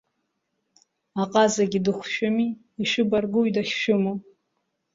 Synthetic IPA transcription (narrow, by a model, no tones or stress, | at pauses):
aqʼazaɡʲidɨχʷʃᶣʊmiː | ʃʷᶣʊbarɡuɥdaχʲʃʊmu